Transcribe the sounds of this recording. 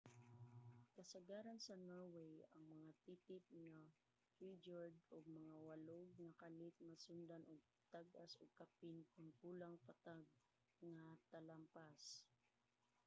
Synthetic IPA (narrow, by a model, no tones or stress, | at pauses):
kɐsɐɡaːɾansɐnoɹwɛjɐŋmɐŋat̪it̪ɪp̚na | hid͡ʒaɹd̪oɡ̚mɐŋawɐloɡ̚nɐkalɪt̪̚mɐsʊnd̪anoɡ̚ | t̪aɡʔasoɡ̚kapɪnkʊŋkuːlaŋpat̪aɡ̚ | ŋat̪ɐlampas